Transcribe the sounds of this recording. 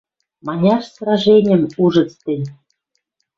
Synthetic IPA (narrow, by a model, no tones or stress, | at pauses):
mɑnʲɑʃsrɑʒenʲɘ̆muʒɤ̆t͡st̪ɘ̆nʲ